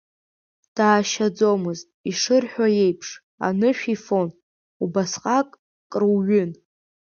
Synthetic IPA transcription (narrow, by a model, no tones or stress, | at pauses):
d̥aːʃad͡zo̞mɨztiʂɨrħᶣaje̞jpʰʂ | a̰nɨʃᶣifo̞n | ubasqʼakʼ | kʼrwɥʏn